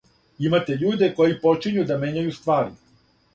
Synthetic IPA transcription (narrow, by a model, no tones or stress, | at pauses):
imat̪e̞ʎuːd̪e̞ko̞jipo̞t͡ʃiɲud̪ame̞ɲajust̪ʋaːɾḭ